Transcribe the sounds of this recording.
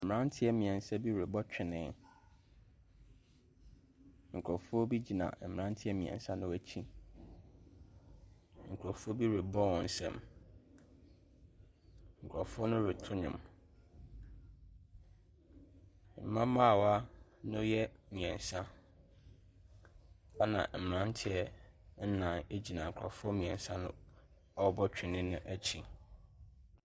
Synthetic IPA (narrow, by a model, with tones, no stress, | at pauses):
m̩˨m˨ɾã˦n˦tʰɪ˦ɛ˦mĩ˨ɛ̃˨n˨sa˦bi˦wɾe˨bɔ˦t͡ɕᶣɪ˨nɪ̃˨ | ŋ̩˨kʰɾɔ˨fʊ˦ɔ˦bi˦d͡ʑi˨nã̰˨m̩˨m˨ɾã˦n˦tʰɪ˦ɛ˦mĩ˨ɛ̰̃˨n˨sã˦nʊ̃˦wæ˦t͡ɕʰĩ˦ | ŋ̩˨kʰɾɔ˨fu˦ɔ˦bi˦wɾe˨bɔ˦wɔ̃˨n̩˦sɛ̰̃˦m | ŋ̩˨kʰʷɾɔ˨fʊ˦ɔ˦nʊ̃˦ɾɪ˨tʰʊ˦ɲʊ̰̃˨m | m̩˨mã˦mã˦˨wa˦nʊ̃˦jɛ˦mĩ˨ɛ̃˨n˨sã˦ | a˦nã̰˨m̩˨m˨ɾã˦n˦tʰɪ˦ɛ˦n̩˦nã˨ne˦d͡ʑi˨nã˨ŋ̩˨kʰɔ̰˨fʊ˦ɔ˦mĩ˨ɛ̃˨n˨sã˦nʊ̰̃˦ | ɔ˦bɔ˦t͡ɕᶣɪ˨nɪ̃˦nʊ̃˦ʔæ˦t͡ɕʰi˨